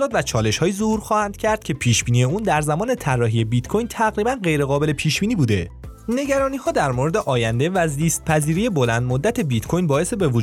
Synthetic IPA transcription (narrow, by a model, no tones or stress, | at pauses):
lɒːt̪væt͡ʃʰɒːle̞ʃhɒːjizohuːɾxɒːhænd̪̥̚cʰæɾd̪̥̚cʰe̞pʰiːʃb̥iːniːe̞uːnd̪æɾzæmɒːne̞t̪ʰærːɒːɦije̞bit̪kʰo̞jnt̪ʰæɣɾiːbænɢe̞jɾe̞ɣɒːbe̞le̞pʰiːʃb̥iːniːbuːd̪e̞ | ne̞ɟæɾɒːniːhɒːd̪æɾmo̞ɾe̞d̪e̞ʔɒːjænd̪e̞væziːst̪̚pʰæziːɾijebo̞lænd̪̚mod̪ːæt̪ʰe̞bit̪kʰo̞jnbɒːje̞sebe̞vod͡ʒ